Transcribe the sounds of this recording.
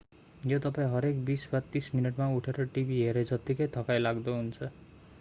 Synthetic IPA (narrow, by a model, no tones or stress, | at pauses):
jot̪ʌpaẽɦʌɾekbisbat̪isminʌʈmauʈʰeɾʌʈibʱiɦeɾed͡zʌt̪ikʌjt̪ʰʌkajlaɡd̪oɦunt͡sʰʌ